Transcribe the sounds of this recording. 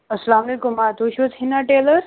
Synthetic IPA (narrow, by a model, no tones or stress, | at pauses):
ɐslamlekumat̪uɕʋut͡shinaʈeləɾ